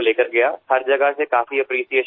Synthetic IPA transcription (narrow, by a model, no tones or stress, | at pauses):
leːkəɾɡɐjaːhɐɾd͡ʒɐɡəsekaːfiɐpɾiːsijeːʃ